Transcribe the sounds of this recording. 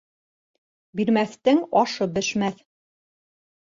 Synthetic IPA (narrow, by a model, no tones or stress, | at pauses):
biɾmæθt̪ɘŋɒʃɤbɘ̆ʃmæθ